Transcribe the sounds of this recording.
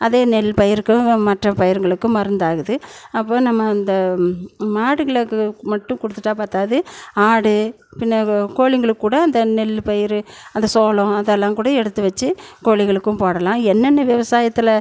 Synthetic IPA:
ɐðeːnɛlpɐjɪɾɯkːɯmɐʈrɐpɐjɪɾŋɡɐɭɯkːɯmɐɾɯnd̪aːɣɯðɯɐpːoːnɐmːɐːnd̪ɐ | maːɽɯɣɐɭɐkːmɐʈːɯ̃kɔɽɯt̪ːɯʈːaːpaːɾt̪aːðɯaːɽɯ | pɪnːɐkoːɭɪŋɡɐɭɯkːuːɽɐːnd̪ɐnɛlpɐjɪɾɯɐnd̪ɐsoːlʊ̃ɐðɛlːãːkuːɽɐɛɽɯt̪ːɯʋɐt͡ʃːɯkoːɭɪɣɐɭɯkːɯ̃mpoːɽɐlãːɛnːɐnːɐʋɪʋɐsaːjɐt̪ːɯlɐ

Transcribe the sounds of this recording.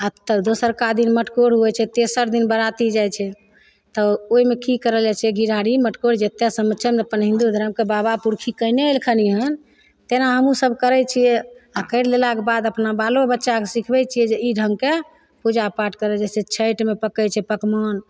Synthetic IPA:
at̪əbd̪osəɾkad̪inməʈkoɽɦuɛt͡ʃʰɛt̪esəɾd̪inbəɾat̪id͡ʒajt͡ʃʰɛ | t̪ɔoimekikəɾəld͡ʒat͡ʃʰɛɡʱiɾʱaɽiməʈkoɽd͡ʒet̪ɛsəmət͡ʃʰɛməpənɦĩnd̪ud̪ʱəɾəmkebabapuɾkʰikəjneelkʰəniɦən | t̪enaɦəmũsəbʱkəɾɛt͡ʃʰijɛakəɪɽlelakebad̪əpnabalobətːʃakesikʰbɛt͡ʃʰijɛd͡ʒeiɖʱəŋɡke | pud͡ʒapaɾʈkəɾɛd͡ʒɛset͡ʃʰəjʈmepəkət͡ʃʰɛpəkmən

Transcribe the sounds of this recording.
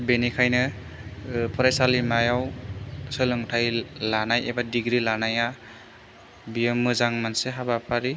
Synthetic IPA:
benikʰajnɯ | pʰɔɾajsalimajawsɯlɯŋtʰajlanajebadiɡɾilanaja | bijemːɯzaŋmanseɦabapʰaɾi

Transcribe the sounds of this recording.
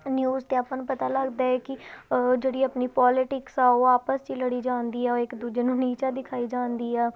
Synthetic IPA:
njuːzt̪ẽːaːpãːnũːpət̪aːləɡd̪aːɛːkɪd͡ʒeːɽiːaːpniːpɔːlɪʈɪksaːoaːpəst͡ʃiːləɽiːd͡ʒãːnd̪iːɛːoːɪkd̪uːd͡ʒeːnũːniːt͡ʃaːd̪ɪkʰaːiːd͡ʒaːnd̪iːɛː

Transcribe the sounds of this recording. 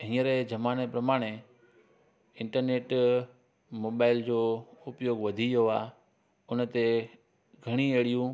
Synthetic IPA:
ɦĩːəɾed͡ʑɐmaːñepɾɐmaːɽ̃e | ɪ̃ɳʈəɾneːʈ | moːbaːɪld͡ʑoːʊpjoːɡʋɐd̪ʱijoaː | ʊnə̆t̪e | ɡʱɐɽ̃ieːɽijũ

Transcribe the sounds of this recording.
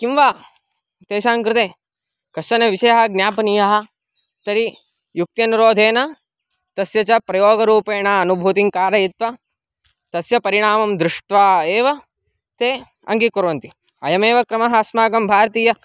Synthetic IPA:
kimʋaː | t̪eːʃaːŋkɾɪt̪eː | kɐɐnɐʋiʃɐjɐɦɐɡnjaːpɐnijɐɦɐ̆ | t̪ɐɾi | juk̚t̪jɐnuɾoːd̪ʱeːnɐ | t̪ɐsjɐt͡ʃɐpɾɐjoːɡɐɾuːpeːnaːɐnubʱuːt̪iŋkaːɾɐjit̪ʋɐ | t̪ɐsjɐpɐɾiɳaːmɐmd̪ɾɪʂʈʋaːeːʋɐ | t̪eː | ɐ̰ŋɡikuɾʋɐnt̪i | ɐjɐmeːʋɐkɾɐmɐɦasmaːkɐmbʱaːɾɐt̪iːjɐ

